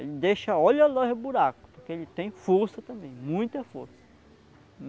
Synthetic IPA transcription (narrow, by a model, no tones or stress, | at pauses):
elɪd̪eʃɐɔʎɐloɦʊbuɾakʊ̥poɾkeelɪt̪ẽj̃foɾsɐt̪ɐ̃mbẽj̃mũj̃t̪ɐfoɾsɐ̥